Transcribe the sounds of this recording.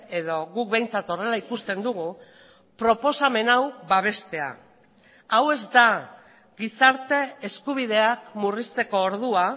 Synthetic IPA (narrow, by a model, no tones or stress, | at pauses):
e̞ðo̞ɣuk̚be̞jnt͡sat̪o̞re̞laikust̪e̞nd̪uɣu | pɾo̞po̞same̞nawβaβ̞e̞st̪e̞a̰ | awe̞zd̪a | ɡisaɾt̪e̞eskuβ̞iðe̞akmurist̪e̞ko̞ːɾðua